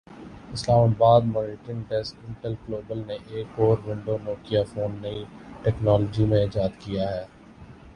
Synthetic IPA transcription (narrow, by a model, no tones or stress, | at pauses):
ɪslaːmaːbaːd̪mɔːɾɪʈə̃nʈɛsʈɪ̃ɳʈəlkloːbəlneʔeːkɔːɾʋɪ̃ɳɖonoːkijafoːnːɐiʈɛːknɔːlɔːd͡ʒimẽɪd͡ʒaːd̪kijaɦɛː